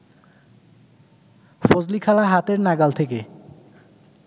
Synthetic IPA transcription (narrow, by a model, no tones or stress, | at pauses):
fod͡ʑlikʰalaɦat̪eɾnaɡalt̪ʰeke